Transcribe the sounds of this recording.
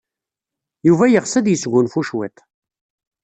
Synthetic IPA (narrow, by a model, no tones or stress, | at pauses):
juvæjəʁsæd̪jəsɡʷʊnfuʃwet̪